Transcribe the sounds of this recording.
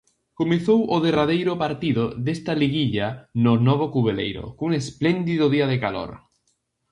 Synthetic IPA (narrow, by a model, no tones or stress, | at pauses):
komeθowʔʊðeraðejɾʊpaɾt̪iðoðest̪aliɣiʎanʊnɔβ̞okuβelḛjɾo̰kuŋesplend̪iðʊðiaðekalo̰ɾ